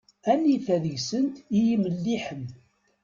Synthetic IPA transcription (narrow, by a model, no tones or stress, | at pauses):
ænːiθæðəʝsənt̪ijiməlːiħəm